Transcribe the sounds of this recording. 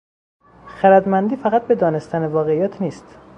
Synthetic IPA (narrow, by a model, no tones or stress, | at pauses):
xæɾæd̪mænd̪iːfæɣæt̪̚be̞d̪ɒːne̞st̪ænevɒːɣeijæːt̪ʰniːst̪